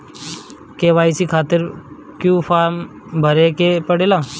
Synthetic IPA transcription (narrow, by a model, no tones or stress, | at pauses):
keːʋaːisiːkʰaːt̪ɪɾ | kjũːpʰaːɾm | bʱəɾekepəɽeːlaː